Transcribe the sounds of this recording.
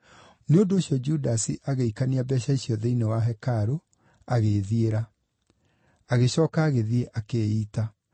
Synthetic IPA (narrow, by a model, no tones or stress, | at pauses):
neondoːɕjɔd͡ʒudasiʔaɣeikaniabɛɕaiɕiɔðeinewaɦɛkaɾo | aɣeðieɾa | aɣeɕɔːkaːɣeðieʔakeːiːta